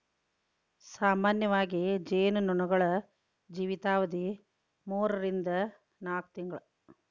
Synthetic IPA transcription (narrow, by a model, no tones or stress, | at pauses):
saːmaːnjɐʋaːɡid͡ʒeːnununɐɡɐɭɐ | d͡ʒiːʋit̪aːʋɐd̪i | muːɾɐɾind̪ɐ | naːk̚t̪iŋɡɐɭu